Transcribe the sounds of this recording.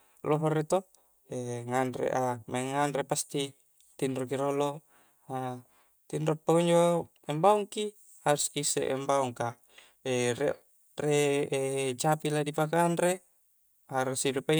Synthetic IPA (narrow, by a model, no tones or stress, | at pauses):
loɦoɾet̪o | eŋanrḛʔamaŋanrepast̪i | t̪inrokiɾolo | a | t̪inɾopːakoɲd͡ʒo | ɛmbauŋki | haɾusisḛʔɛ̰mbauŋka | eɾe | re | t͡ʃapiladipakaːnre | haɾusiɾupa